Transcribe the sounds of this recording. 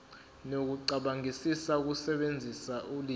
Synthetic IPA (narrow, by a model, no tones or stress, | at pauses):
nok̬uǀaɓaŋisisauk̬usɛɓend͡zʱisaʔuli